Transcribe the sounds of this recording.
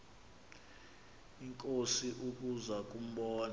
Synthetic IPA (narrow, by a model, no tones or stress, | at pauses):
iŋkʼosiʔuk̬ʼuzak̬ʼum̩ɓɔːn